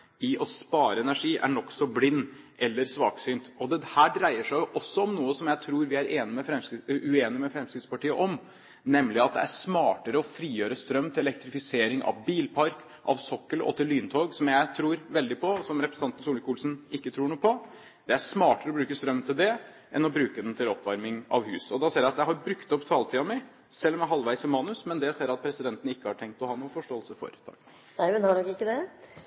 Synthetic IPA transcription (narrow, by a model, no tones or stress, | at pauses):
ɪʔɔspɑːɾəɛnæʂiːʔæ̰ɳɔksɔblɪnːʔɛlːəɾsʋɑ̰ːksyːnt̪ɔd̪ɛhæːɖɾæɪəʂæɪjʔɔsːɔɔmnuːəsɔmjæɪt̪ʰɾuːɾʋɪæɾeːnɪmɛfɾɛmsʉeːnɪmɛfɾɛmskɾɪd̪spɑʈiːəʔɔm | nɛmlɪɑt̪̚d̪ɛ̰æʂmɑːʈəɾəɔfɾiːjøːɾəst̪ɾœmːt̪ɪlɛlɛk̚t̪ɾɪfɪseːɾɪŋʔɑ̰ʋbiːlpʰɑɾk | ʔɑ̰ʋsɔkːəlɔ̰t̪ʰɪlːyːnt̪ʰoːɡsɔmjæɪt̪ʰɾuːɾʋɛld̪ɪpʰɔsɔmɾɛpɾəsn̩ɑnt̪nsuːlɪkuːlsnɪkːət̪ʰɾuːɳuːəpɔ | d̪̥ɛæʂmɑːʈəɾəɔbɾʉːkəst̪ɾœmːt̪ʰɪld̪ɛ | ʔɛ̰nɔbɾʉːkəd̪ɛnt̪ʰɪlɔpːʋɑɾmɪŋɑ̰ʋhʉ̰ːsɔd̪ɑseːɾjæɪɑt̪jæɪɦhɑɾbɾʉkt̪ɔpːt̪ʰɑːlət̪ʰiːɑmæɪ | sɛlːɔmjæɦɑlʋæɪsɔmɑːnʉsmɛnd̪ɛseːɾɑt̪̚pʰɾɛsɪd̪ɛnt̪n̩ɪkːəhɑʈʰɛŋk̚t̪ɔhɑːnuːəfɔʂʈoːəlsəfɔ̰ɾt̪ʰɑ̰ | næɪmɛnhɑɔkːɪkːəd̪ɛ